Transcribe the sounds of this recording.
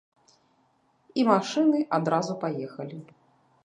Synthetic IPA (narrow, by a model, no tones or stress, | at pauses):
imaʂɨnɨʔad̪ɾazupajɛxɐlʲi